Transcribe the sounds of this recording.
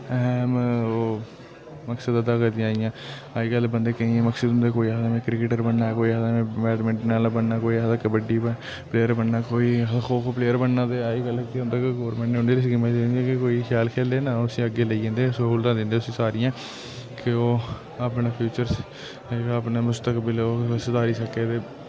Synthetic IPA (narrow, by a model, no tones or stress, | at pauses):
ɛɦɛːmː | məksəd̪əd̪aːkəɾd̪ĩãːɪjãː | aːiːɡəlbənd̪eːkəĩːẽməksəd̪ʊ̃nd̪eːkoːiɦd̪amẽːkɾɪkɪʈəɾbənːaːkoːiːd̪amẽːmɛːɖmẽːɳʈnaːlbəɳnaːkoːiɦd̪aːkbəɖːiː | pleːjəɾbəɳːaːkoːiːxʰoːkopleːəɾbəɳːãːt̪eːaːiːɡəleʊ̃nd̪aːkeɡoːɾmɛ̃ːɳʈneːɦʊnd̪eːɾisɡɪməẽniẽkɪkoːiːxʰjaːlkʰeːld̪eːnãːʊsĩːəɡeːləiẽːnd̪eːsoult̪ãːd̪ɪ̃nd̪eːʊsĩːsaːɾɪjãː | kɪoː | apɳeːpʰjuːt͡ʃəɾs | kəːpneːmʊst̪əkbɪloːsəd̪aːɾiːsəkːeːt̪eː